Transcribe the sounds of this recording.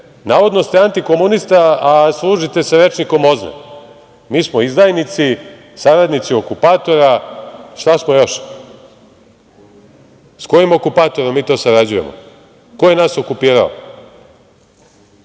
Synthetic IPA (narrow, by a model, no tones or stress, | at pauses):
naːʋo̞d̪nost̪eant̪ikomunist̪aaslˠuːʒit̪e̞saɾe̞t͡ʃniko̞mo̞znḛ | miːsmoizd̪aːjnit̪si | saɾad̪nit̪sio̞kupaːt̪o̞ɾaʃt̪asmojo̞ʃ | sko̞jimo̞kupaːt̪o̞ɾomiːt̪o̞ːsaɾad͡ʑujemo̰ | kojenaːso̞kupiːɾa̰o̰